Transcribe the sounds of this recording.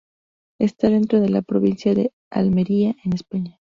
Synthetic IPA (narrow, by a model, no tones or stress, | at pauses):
e̞st̪aðe̞nt̪ɾo̞ð̞e̞lapɾo̞βinsjaðe̞ | a̰lme̞ɾiaʔenespaɲa